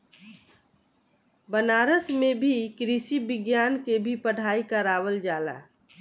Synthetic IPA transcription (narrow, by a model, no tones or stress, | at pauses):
bənaːɾəsmebʱikɾisibɪɡjaːnkebʱipəɽ̤aːikaɾaːʋəld͡ʒaːla̰ː